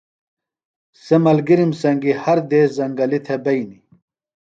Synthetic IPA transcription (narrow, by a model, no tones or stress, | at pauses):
semɐlɡiɾimsɐŋɡihɐɾd̪eːzɐŋɡɐlit̪ʰebɐjni